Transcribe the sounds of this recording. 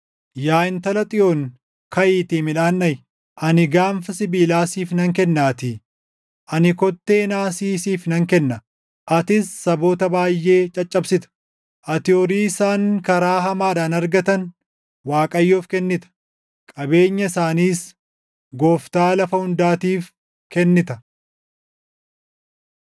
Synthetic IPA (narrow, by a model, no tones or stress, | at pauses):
jaːɪnt̪ɐlɐt̪ʼɪoŋ | kɐʔiːt̪iːmɪᶑaːnːɐj | ʔɐnɪɡaːɱfɐsɪbiːlaːsiːfnɐŋkɛnːaːt̪ɪ | ʔɐnɪkɔt̪ːe̞ːnaːsiːsiːfnɐŋkɛnːɐ | ʔɐt̪ɪsːɐbo̞ːt̪ɐbaːjːe̞ːt͡ʃʼɐt͡ʃʼːɐbsɪt̪ɐ̥ | ʔɐt̪ɪoɔɾiːɪsaːŋkɐɾaːɦɐmaːᶑaːnɐɾɡɐt̪ɐn | waːkʼɐjːoːfkɛnːɪt̪ɐ̥ | kʼɐbe̞ːɲːɐɪsaːniːs | ɡo̞ːft̪aːlɐfɐhʊnd̪aːt̪iːf | kɛnːɪt̪ɐ